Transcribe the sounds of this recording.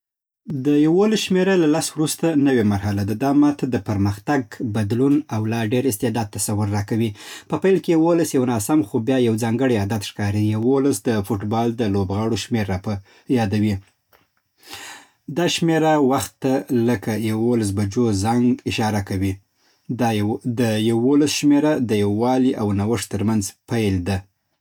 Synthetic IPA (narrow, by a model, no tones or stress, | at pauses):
d̪əjawolasʃmeɾalalaswɾust̪anəwemaɾɦalad̪ad̪ɑmat̪d̪əpəɾməxt̪aɡ̚bad̪lunawlɑɖeɾɪst̪ɪd̪ɑd̪̚t̪ːasawʊɾːɑkawipəpajlkejawolasjawnɑsamxobjɑjawzɑŋɡəɽiad̪at̪ʃkɑɾijawolasd̪əfoʈbɑld̪əlobɣɑɽoʃmeɾap | jɑd̪awi | d̪ɑʃmeɾawaxt̪ːaləkajawolas̬bad͡ʒozaŋɡɪʃɑɾakawi | d̪əjawolasʃmeɾad̪əjawɑliʔawnawəʂt̪əɾmanzpajld̪a